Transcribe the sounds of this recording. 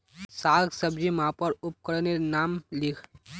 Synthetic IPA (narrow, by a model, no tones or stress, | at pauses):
saːɡsəbd͡ʒimãːpəɾʊp̚kəɾnenaːmlɪkʰ